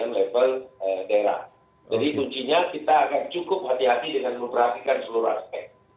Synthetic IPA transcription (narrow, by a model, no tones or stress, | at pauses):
anlevələdaeɾa̰h | d͡ʒadikuɲt͡ʃiɲakit̪aːkant͡ʃukʊp̚hat̪iɦat̪idəŋanuŋpərɦat̪ikansəluɾua̰spɛk̚